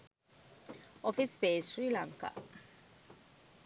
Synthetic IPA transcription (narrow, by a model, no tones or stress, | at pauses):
ɔfispesɾilaŋka̰